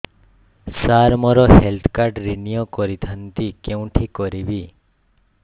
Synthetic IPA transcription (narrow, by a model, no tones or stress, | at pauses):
saɾmɔɾɔhelt̪ʰkaɾʈɾinijɔkɔɾit̪ʰant̪ikeũʈʰikɔɾibi